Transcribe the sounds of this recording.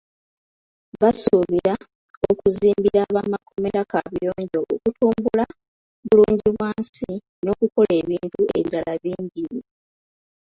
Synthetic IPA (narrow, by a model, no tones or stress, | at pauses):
βasuβiɾa | okuziːmbiɾaβaːmako̞me̞ɾakaβjo̞ːɲɟo̞ʔokutuːmbula | βuluːɲɟiβwaːnsi | no̞ːkuko̞le̞ːβiːntue̞̰βiɾalaβiːɲɟiβu